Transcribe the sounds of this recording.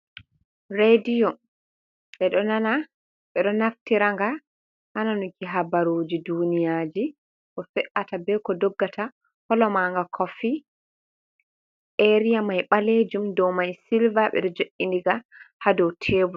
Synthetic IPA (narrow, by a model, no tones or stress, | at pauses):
ɾedijɔ | ʔɛɗɔnana | ɓɛɗɔnaftiɾaŋɡa | ʔananukiɦabaɾoːd͡ʒidunijad͡ʒi | ʔɔfɛʔatabɛkɔdɔɡːatʰa | hɔlɔmaŋɡakʰɔfi | ʔeɾijamajɓaled͡ʒumdɔwmajsilvaɓɛ̰ɗɔd͡ʒoʔindiɡahadɔwtʰeːbu